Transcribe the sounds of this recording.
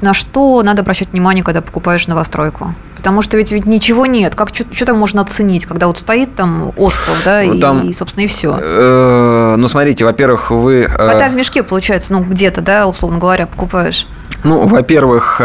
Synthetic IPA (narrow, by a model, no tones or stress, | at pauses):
nɐʂt̪o̞nad̪əɐbɾɐɕːætʲvnʲɪmanʲɪjəkaɡ̚d̪apə̥kʊpaɪʂnəvɐst̪ɾo̞jkʊ | pə̥t̪ɐmuʂt̪ovʲɪtʲvʲɪtʲnʲɪt͡ɕɪvo̞nʲe̞t̪kakt͡ɕot̪t͡ɕot̪amːo̞ʐnəɐt̪sɨnʲitʲkaɡd̪avo̞t̪st̪ɐit̪ːamo̞skəvd̪aimsopst̪ʲɪnəɪfsʲo̰ | nusmɐt̪ɾʲitʲɪvɐpʲervɨxvɨkɐɡd̪avʲmʲɪʂkʲe̞pəlˠʊt͡ɕæjɪt̪sənuɡdʲe̞t̪əd̪aʊslˠovnəɡəvɐɾʲapə̥kʊpajɪʂ | nuvɐpʲe̞rvɨx